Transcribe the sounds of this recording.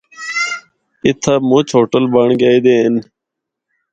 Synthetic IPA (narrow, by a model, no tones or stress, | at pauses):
ɪt̪ʰaːmõːt͡ʃʰoːʈəlbaːɳɡaːiːd̪eːɪn